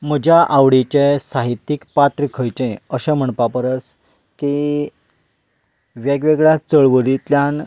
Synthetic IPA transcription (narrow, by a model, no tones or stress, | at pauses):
m̤əd͡ʑjaʔaʋɽit͡ɕesaɦit̪ːikpat̪ɾəkʰəjt͡ɕẽəɕɛ̃m̤əɳpapəɾət͡s | ki | ʋjeɡʋeɡɭjat͡səɭʋəɾit̪ljan